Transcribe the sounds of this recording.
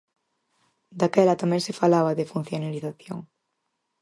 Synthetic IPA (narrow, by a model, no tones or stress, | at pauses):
d̪akɛlat̪amɛ̃ŋsɪfalaβaðefun̟θjonaliθaθjoŋ